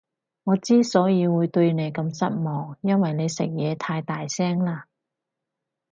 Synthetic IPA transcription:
ŋɔː˨˧t͡siː˥sɔː˨˥jiː˨˧wuː˨˧jt̪ɵ˧ɥne˨˧jkɐ˧msɐ˥t̚mɔː˨ŋjɐ˥nwɐ˨jne˨˧jsɪ̰˨˩k̚jɛː˨˧t̪ʰaː˧jt̪aː˨jsɛː˥ŋlaː˥

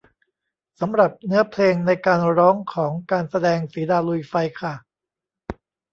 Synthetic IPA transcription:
sa˩˦mɾa˨˩p̚nɯ˦˥ɐpʰleː˧ŋna˧jkaː˧nɾɔː˦˥ŋkʰɔː˩˦ŋkaː˧nsa˧dɛː˧ŋsiː˩˦daː˧lu˧jfa˧jkʰa˥˩

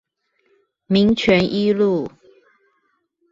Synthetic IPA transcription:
mi˨˥ŋt͡ɕʰɥɛ˧˥nʔi˦lu˥˨

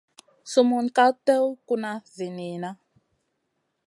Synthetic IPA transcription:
su˦mu˨nka˦tɛ˦wku˦na˦zi˨ni˨na˦

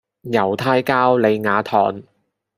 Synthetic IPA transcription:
jɐ˨˩wt̪ʰaː˥jkaː˥wle˨˧jŋaː˨˧t̪ʰɔ̰ː˨˩n

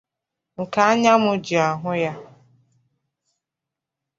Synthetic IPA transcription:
ŋ̩˨ka˨˦a˦ɲa˦mʊ˦d͡ʒi˨a˨ɦʊ˦ja˦

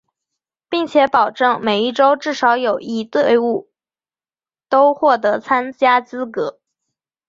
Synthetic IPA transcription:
pi˥˩ŋt͡ɕʰjɛ˧˥pɑ˨˩ʊʈ͡ʂɤ˥˩ŋme˨˩ɪi˥˩ʈ͡ʂo˥ʊʈ͡ʂɻ̩˥˩ʂɑ˧˥ʊjo˨˩ʊi˥˧t̪we˥˧ɪu˥˩ | t̪o˥ʊxwɔ˥˩t̪̬ɤ˧˥t͡sʰa˥nt͡ɕja˥t͡sɹ̩˥kɤ˧˥

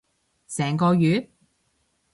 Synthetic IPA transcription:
sɛː˨˩ŋkɔː˧ɥyː˨˧

